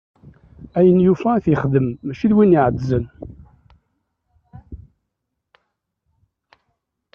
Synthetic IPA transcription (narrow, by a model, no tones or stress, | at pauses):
æjənjufæθiχðəmːæʃiðwiniʕəd̪zən